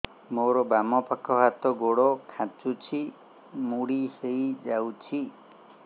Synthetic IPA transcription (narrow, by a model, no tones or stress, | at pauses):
moɾɔbamɔpakʰɔɦat̪ɔɡoɽɔkʰãt͡ʃut͡ʃʰi | muɽiseid͡ʒawt͡ʃʰi